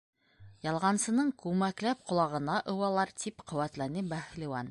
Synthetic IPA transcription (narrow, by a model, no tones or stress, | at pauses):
jɑlˠʁɑnsɤ̆nɤɴkʉmæklæp̚qŏlˠɑʁɤ̆nɑʔɤ̆wɑlˠɑɾt̪ʰipqŏwæt̪lænɘbæhlʲɘ̆wɑn